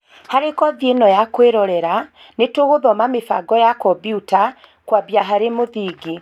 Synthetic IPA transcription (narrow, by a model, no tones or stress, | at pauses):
haɾekɔðjenɔjakweɾɔɾɛɾa | netoɣoðɔmamefa̰ɡɔjakɔbiuta | kwabjaɦaɾemoðiːɡi